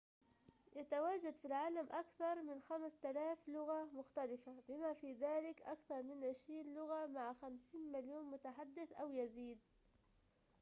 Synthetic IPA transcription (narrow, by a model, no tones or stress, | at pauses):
jat̪awaːʒad̪filʕaːlamʔakθɑɾˤmɪnxamst̪alaːflʊɣamʊxt̪alɪfabɪmafiðaːlɪkʔakθɑɾˤmɪnʕɪʃɾiːnlʊɣamaʕxamsiːnmɪljoːnmʊt̪aħad̪ːɪθʔawjaziːd̪̚